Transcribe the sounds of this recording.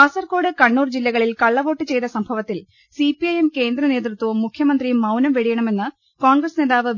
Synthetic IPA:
ɐsɐrko̞ːɽɨkɐɳːuːrd͡ʑilːɐɣɐɭilkɐɭːɐʋo̞ːʈːɨt͡ɕe̞jt̪ɐsɐmbʱɐʋɐt̪ːil | sipiɐjemke̞ːnd̪ɾɐne̞ːt̪rɨt̪wɐʋumːukʰjɐmɐnd̪rijumːɐwnɐmʋeɽijɐɳɐme̞nːɨ | koːɳɡrɐsne̞ːðaːʋɨ

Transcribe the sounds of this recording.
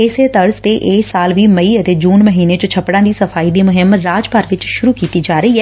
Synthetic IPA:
ɪseːt̪əɾzt̪eːʔeːsaːlʋiːməiːət̪eːd͡ʒuːnməɦiːneːt͡ʃõt͡ʃʰəpːɽãːd̪iːsəfʰaːiːd̪iːmʊɦɪmɾaːd͡ʒpəɾʋɪt͡ʃʃʊɾuːkiːt̪iːd͡ʒaːɾəiːɛː

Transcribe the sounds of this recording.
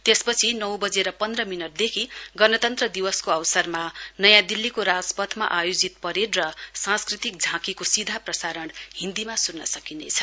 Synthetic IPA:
t̪espʌt͡sʰinʌwbʌd͡zeɾʌpʌnd̪rʌminʌʈ̚d̪ekʰiɡʌnʌt̪ʌnt̪rʌd̪iwʌskoʌwsʌrmanʌjãd̪ilːikoɾad͡zpʌt̪ʰma̰ʔajod͡zit̪̚pʌɾerrʌsãskrit̪ik̚d͡zʱãkikosid̪ʱaprʌsaɾʌɳhind̪imasunːʌsʌkinḛt͡sʰʌ̥

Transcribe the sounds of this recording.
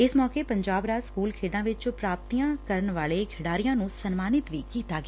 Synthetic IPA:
ɪsmɔːkepɐ̃ɲd͡ʒaːbɾaːskuːlkʰeːɖãːʋɪt͡ʃpɾaːp̚t̪ijãːkəɾənʋaːleɡʱɪɽaːɾijãːnũsənmaːnɪt̪ʋiːkiːt̪aːɡː

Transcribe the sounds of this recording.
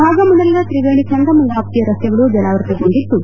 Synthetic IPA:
bʱaːɡɐmunɐlinɐt̪ɾiʋeːɳit͡ʃɐnd̪ɐmɐŋɡaːp̚t̪ijɐɾɐst̪jɐɡɐɭud͡ʒɐnaːʋɐɾt̪ɐɡoɳɖit̪ːu

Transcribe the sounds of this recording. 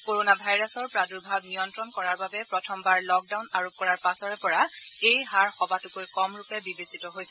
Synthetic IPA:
koɹonabʱajɹasɔɹpɹaduɹbʱab̚nijɔntɹɔnkɔɹaɹbabɛpɹɔtʰɔmbaɹlɔk̚dawnaɹop̚kɔɹaɹpasɔɹɛpɔɹa | ejɦaɹxɔbatukojkɔmɹupɛbibesitɔɦojsɛ

